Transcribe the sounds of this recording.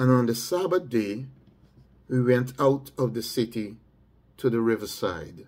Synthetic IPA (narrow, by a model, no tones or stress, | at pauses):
ə̃nə̃nðɨsæbəθde | wiwɛ̃ntʰaʊtʌvðɨsɪɾi | tʰɨðɨɹɪvə˞sa̰ɪd̥